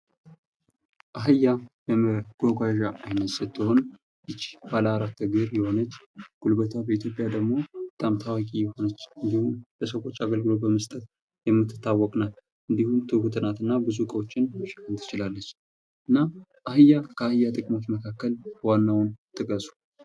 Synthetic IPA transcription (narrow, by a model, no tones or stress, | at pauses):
ʔaɦɨjːabəməɡ̥oɡʷaʒaʔajnəsət̪ʰːɨho̞n | ɨt͡ʃːb̥aləaɾat̪ʰːɨɡɨɾjɛho̞nət͡ʃːɡ̥ulbət̪ʰabəit̪ʰjo̞pʼjad̪əɡmo̞bət̪ʼamt̪ʰawakʼijɛho̞nət͡ʃːɨnd̪ihumbəsəwo̞t͡ʃːaɡəlɡɨlo̞bəməst̪ʼət̪ | jɛmːɨt̪ʰːɨ̥t̪ʰːawːɔkʼnal | ʔɨnd̪ihumt̪ʰɨhut̪ʰɨnat̪ɨnːabɨzukʼəwot͡ʃːɪnʃkalt̪ʰɨ̥t͡ʃɪlalːət͡ʃː | ʔɨnːaʔaɦɨjːakʰəahɨjat̪ʼɨkʼmo̞t͡ʃːməkʰakːəlwanːawʊnt̪ʼɨkʼəsu̥